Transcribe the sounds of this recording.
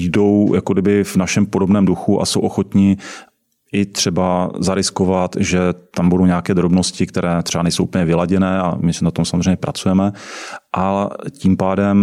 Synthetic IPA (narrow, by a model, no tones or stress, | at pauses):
jdo̞wjakodɪbɪvnaʃɛmpodo̞bnɛːmduxuʔa̰sowʔoxo̞t̪ɲɪ | ʔɪt̪r̥ɛbazaɾɪsko̞vat̪ʒɛt̪ambudo̞wɲaakɛːd̪ɾobno̞scɪkt̪ɛɾʔɛːt̪r̥ɛbanɛjsowʔupəɲɛvɪlaɟɛnɛːa̰mɪsnat̪omsamozreɛjɲɛpɾʔat͡sujɛmɛʔaciːmpaːdɛm